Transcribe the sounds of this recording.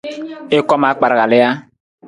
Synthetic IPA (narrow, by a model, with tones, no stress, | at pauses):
e˦kɔ˦ma˨˦k͡pa˨ɾa˨ɣa˨le˦ja˦